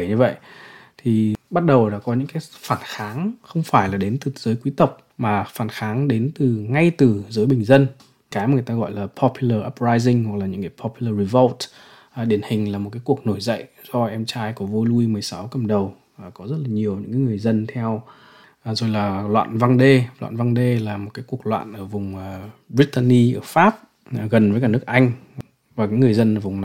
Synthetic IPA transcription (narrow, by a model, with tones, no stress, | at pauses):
ɲɨ˧və̰˧˨jt̪ʰi˨˩ɓa˦˥t̚ɗə˨˩wɗa̰ː˧˥kɔ˨˦ɲɨ̰˧˥ŋkaː˨˦jfaː˧˩nxaː˨˦ŋxə˧wŋ͡mfaː˧˩jlaː˨˩ɗe˨˦nt̪ɨ˨˩z̥əː˨˦jkwi˨˦t̪ə˨˩wk͡p̚ | maː˨˩faː˧˩nxaː˨˦ŋɗe˨˦nt̪ɨ˨˩ŋa˧jt̪ɨ˨˩zəː˨˦jɓï˨˩ŋ̟zə˧n | kaː˨˦jma˨˩jt̪aː˧ɣɔ̰˧˨jlaː˨˩pʰɔ˧pʰju˧ləː˧˩ʔaː˦˥p̚zaː˧jzi˧ŋ̟hwa˨˩k̚laː˨˩ɲɨ̰˧˥ŋkaː˨˦jpʰɔ˧pju˧ləː˧ɹi˧˩və˦ltː | ɗi˧˩ənhï˨˩ŋ̟laː˨˩mo˨˩kaː˨˦jku˨˩ək̚no˧˩jzə̰˧˨jʔ | zɔ˧ʔɛ˧mt͡ɕaː˧jkɔ˧˩˦vo˧lu˧i˧mɨ˨˩əjsa˨˦wkə˧˩m̚ɗə˨˩w | kɔ˨˦zə˦˥t̚laː˨˩ɲi˨˩əwɲɨ̰˧˥ŋkaː˨˦ŋɨ˨˩əjzə˧nt̪ʰɛ˧w | zo˨˩jlaː˨˩lwa̰ː˧˨nva˧ŋɗe˧lwa̰ː˧˨nva˧ŋɗe˧laː˨˩mo˨˩t̚kaː˨˦jku˨˩ək̚lwa̰ː˧˨nʔəː˧˩vʊ˨˩ŋ͡mːbɾi˦˥t̚t̪a˧ni˧ʔəː˧˩faː˦˥p̚ː | ɣə˨˩nvəː˨˦k̬aː˧˩nɨ˦˥ək̚ʔa˧jŋ̟ | vaː˨˩kaː˨˦ŋɨ˨˩əjzə˧nʔəː˧˩vʊ˨˩ŋ͡mna˨˩